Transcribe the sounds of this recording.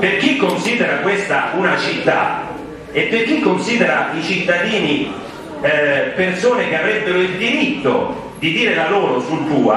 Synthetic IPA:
perk̟ikːonsiːd̪eɾakwest̪aunat͡ʃit̪ːa̰ | epːerk̟ikːonsiːd̪eɾait͡ʃit̪ːad̪iːni | persoːnek̟eavɾɛbːeɾoild̪iɾit̪ːo̰ | d̪id̪iːɾelaloːɾosult̪uːa̰

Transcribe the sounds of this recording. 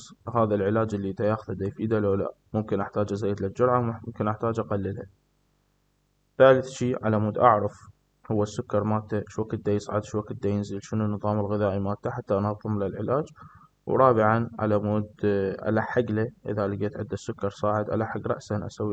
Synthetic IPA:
sˤhaːðalʕɪlaːd͡ʒɪlːid̪ajaːxʊðad̪ajfiːd̪aloːla̰mʊmkɪnʔaħt̪aːd͡ʒʔazajːɪd̪lad͡ʒʊɾʕaʊmkɪnʔaħt̪aːd͡ʒʔaqalːɪlha | θaːlɪθʃiːʕa̰lamuːd̪ʔɑ̰ʕɾˤɑf | hʊwːasːʊkːɑɾˤmaːt̪ːaʃwakːd̪ːajɪsˤʕɪ̰d̪ʃwakːd̪ːajɪnziːlʃɪnunːɨðˤɑːmɪlɣɪðaːʔimaːt̪ːaħat̪ːaʔnɑðˤːɨmlalʕɪlaːd͡ʒ | wɾˤɑːbɪʕanʕa̰lamuːd̪ʔa̰laħaɡlaʔɪ̰ðalɪɡeːt̪ʕɪ̰d̪ːasːʊkːɑɾˤsˤɑːʕɪd̪ʔa̰laħaɡɾˤɑ̰ʔsaʔanʔa̰sawːi

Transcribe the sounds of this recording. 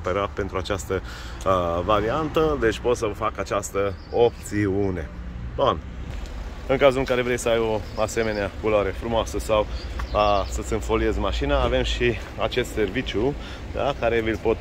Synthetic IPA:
peɾape̞nt̪ɾuat͡ʃast̪ə | vaɾiant̪əd̪e̞t͡ʃʲpo̞t̪səvfakat͡ʃast̪ə | op̚t̪siune̞ | d̪on | ɨŋkazulɨŋkaɾe̞vɾe̞jsəajo̞ase̞me̞neakuloaɾe̞fɾumoasəsaw | sət̪sʲɨnfo̞lie̞zmaʃinaːve̞mʃi | at͡ʃe̞st̪se̞rvit͡ʃju | d̪a̰kaɾe̞vilpo̞t̪

